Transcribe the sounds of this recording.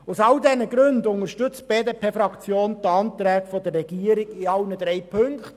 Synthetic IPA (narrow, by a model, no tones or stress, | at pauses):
ʊsɑldɛnəɡɾɵndʊnəɾʃtʏt͡st̚b̥eːdeːpʰeːfɾɑkt͡sjoːndɑnt̪ɾɛːɡfɔd̪ərːɛɡ̥iːəɾɪɡ̥ɪɑlnəd̥̪ɾɛjpʰɵŋkχt